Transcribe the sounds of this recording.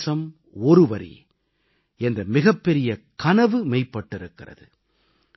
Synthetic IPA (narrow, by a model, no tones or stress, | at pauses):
sɐm | ɔɾɯʋɐɾḭ | ɛnd̪ɐmɪɣɐpːɛɾɪjɐkɐnɐʋɯmɐɪpːɐʈːɪɾɯkːɪrɐ̰ðɯ